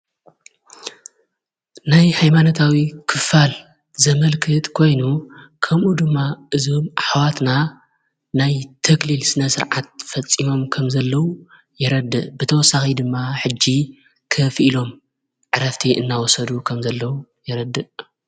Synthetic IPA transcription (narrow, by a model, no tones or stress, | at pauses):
najhajmanot̪ʰawikʰɨfal | zɐmɐlkʰɨt̪kʰo̞jnukʰɐmʔud̪ɨmːaʔɨzomʔaħwat̪na | najt̪ʰɐklilsɨnɐsɨɾʕat̪̚fɐt͡sʼːimo̞mkʰɐmzɐlːɐwu | jɛɾɐd̪ɨʔbɨt̪ʰɐwɔsːaxid̪ɨmːaħɨd͡ʒːi | kʰɐfʔilo̞m | ʕɨɾɐft̪ʰiʔɨnːawɔsɐd̪ukʰɐmzɐlːɐwujɛɾɐd̪ːɨʔ